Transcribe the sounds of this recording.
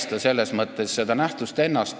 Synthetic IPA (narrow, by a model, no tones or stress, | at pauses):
st̪ɑse̞lːe̞smɤt̪ːˑe̞sse̞d̪ɑnæht̪ust̪e̞nːɑst̪